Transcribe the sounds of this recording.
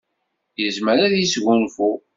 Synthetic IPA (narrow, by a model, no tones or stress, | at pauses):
jəzməɾaðjisʝunfu